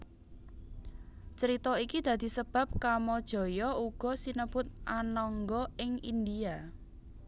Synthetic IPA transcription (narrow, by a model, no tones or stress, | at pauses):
t͡ʃəɾit̪ɔikid̪̥ä̤d̪̥i̤səb̥a̤p̚kamɔd̥ʒ̥ɔ̤jɔuɡ̥ɔ̤sinəb̥ʊt̪̚ʔanɔŋɡɔɪŋind̪ia